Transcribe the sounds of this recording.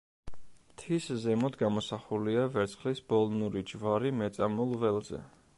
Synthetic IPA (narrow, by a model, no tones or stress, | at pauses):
t̪ʰiszɛmɔd̪ɡamɔsaχuliavɛɾt̪sʰχlisb̥ɔlˠnuɾid͡ʒvaɾimɛt̪sʼamulˠvɛlˠzɛ̰